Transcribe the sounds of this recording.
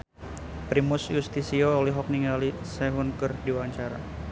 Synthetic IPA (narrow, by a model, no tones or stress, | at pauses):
pɾimusjust̪isioːlɛɦɔk̚niŋalisɛɦʊnkɨrdiwaɲt͡ʃaɾa̰